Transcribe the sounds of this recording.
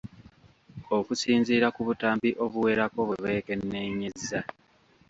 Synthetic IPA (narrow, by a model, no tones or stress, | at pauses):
o̞kusiːnziːɾakuβutaːmbiʔo̞βuwe̞ːɾako̞βeβe̞ːke̞nːe̞ɲe̞zːa